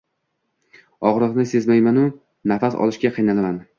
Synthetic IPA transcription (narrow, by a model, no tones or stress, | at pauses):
ɒʁɾɨʁnɪse̞zmajmanʊ | nafasɒ̰lɪʃkʲaqʰɨjnalaman